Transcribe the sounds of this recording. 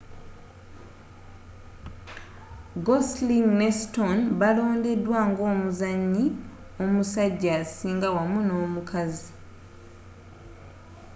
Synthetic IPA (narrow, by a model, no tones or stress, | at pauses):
ɡosliŋnestonβalo̞ːnde̞dwaːŋɡo̞ːmuzaɲːi | o̞musaɟːasiːŋɡawamuno̞ːmukazi